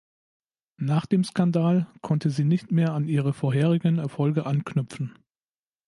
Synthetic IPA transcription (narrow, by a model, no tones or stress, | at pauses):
naːχd̥eːmskandaːlkʰɔntəziːnɪçtmeːɐaniːʁ̞əfoːɐɦeːʁ̞ɪɡənɛɐfɔlɡəʔanknʏpp͡fn̩